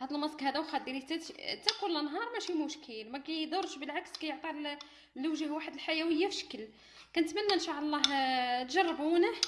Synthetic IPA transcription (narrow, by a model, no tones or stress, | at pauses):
hæd̪ˤəlmɑskhæd̪æwxæd̪iɾit̪æt̪t̪æqunlənɦɑɾˤmæʃimʊʃkʰəlmækæjd̪ʊɾˤʃbəlʕakskæjəʕt̪ˤil | lːəwʒəhwaħəd̪əlħajæwəjːafəʃə̥kəl | kænət̪mænːænʃɑʕɑlˤːɑɦt̪ʒɑrˤːʕunəħ